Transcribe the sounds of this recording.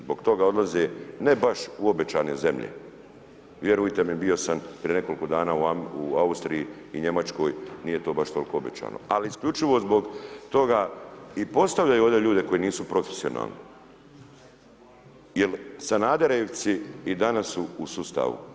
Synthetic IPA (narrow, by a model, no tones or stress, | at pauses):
zbo̞ɡt̪o̞ɡao̞d̪lˠazene̞baʃuo̞be̞t͡ʃaːneze̞mʎḛ | ʋje̞ɾujt̪emibijo̞sampɾijene̞ko̞lkod̪aːnaːuuaust̪ɾiji | iɲe̞mat͡ʃko̞jniːje̞t̪o̞ːbaʃt̪o̞lko̞obet͡ʃa̰ːno̰aliiskʎʲut͡ʃiʋo̞zbo̞ɡt̪o̞ɡaipo̞st̪aʋʎajuod̪eʎuːd̪e̞ko̞jeniːsupɾo̞fesio̞̰na̰ːlˠnḭ | jelsanaːd̪eɾeʋt̪siːd̪anasuusust̪a̰ːʋṵ